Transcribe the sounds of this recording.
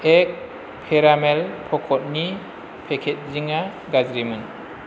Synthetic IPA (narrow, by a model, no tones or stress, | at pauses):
ek̚ | pʰeɾamelpʰɔkʰɔt̚ni | pʰekʰet̚ziŋa | ɡad͡ʒɾimɯn